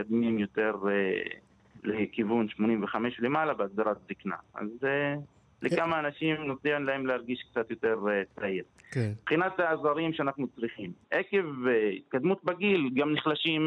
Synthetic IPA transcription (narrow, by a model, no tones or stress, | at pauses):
ad̪mimjo̞t̪e̞ʁe | lekivunʃmonimveχameʃlemalabeaɡ̚d̪aɾat̪̚zikna̰ʔa̰ze | lekamaːnaʃimnotiʁimlahemleaʁɡiʃkt͡sat̪jo̞t̪e̞ʁt͡saiʁkbχinat̪aːzaɾimʃeanaχnut͡sʁiχimʔeke̞veḭt̪̚kad̪mut̪̚baɡilɡamniχlaʃim